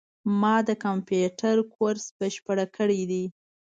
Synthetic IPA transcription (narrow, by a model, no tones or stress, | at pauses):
mɑd̪əkampjuʈaɾkʰoɾsbəʃpəɽakəɽid̪i